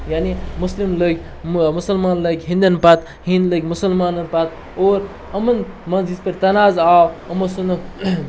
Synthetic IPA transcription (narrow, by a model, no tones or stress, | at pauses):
jaːnimuslimləɡʲ | musɐlmaːnləɡʲɦĩnd̪ɐnpɐt̪ | hĩnd̪ləɡʲmusɐlmaːnɐnpɐt̪ | oːɾ | ɐmɐnmɐnzispɐɾt̪ɐnaːzaːwɐmɐsunɐ